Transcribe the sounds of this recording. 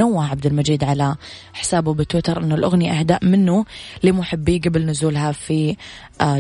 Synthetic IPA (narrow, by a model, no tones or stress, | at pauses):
awːaʕab̚d̪ɪlmad͡ʒiːd̪ʕala | ħɪ̥saːbubɪt̪wɪt̪ɑɾˤʔɪnːʊlʔʊɣniʔahd̪aːʔmɪnːulimʊħɪbːiːɡabɪlnʊzuːlɦafi